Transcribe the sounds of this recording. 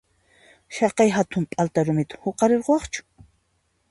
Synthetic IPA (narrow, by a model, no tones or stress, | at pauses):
ʃɑqɑjɦat̪ʊmpʼalt̪aɾʊmɪt̪ḁhoqɑɾeɾqowɑχt͡ʃʊ̥